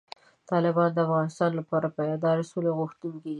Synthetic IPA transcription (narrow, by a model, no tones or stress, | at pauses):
t̪ɑlɪbɑnd̪əafɣɑnɪst̪ɑnlapɑɾapajɑd̪ɑɾsuleɣʊxt̪uŋkei